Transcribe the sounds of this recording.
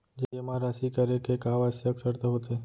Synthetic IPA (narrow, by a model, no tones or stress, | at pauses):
d͡ʒeemãɾaʃikəɾekekaʋasseəksəɾt̪aɦot̪e